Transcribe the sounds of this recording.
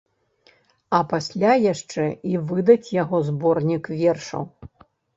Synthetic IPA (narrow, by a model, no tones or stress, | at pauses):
ɐpasʲlʲajaʂt͡ʂɛivɨd̪ɐt͡sʲjaɣɔzbɔrnʲikvʲɛrʂɐ̰w